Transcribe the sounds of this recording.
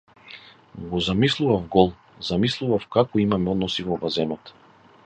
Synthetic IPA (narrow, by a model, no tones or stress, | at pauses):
ɡɔzamislˠuvafɡɔlˠ | zamislˠuvafkakɔimamɛɔd̪nɔsivɔvazɛnɔt̪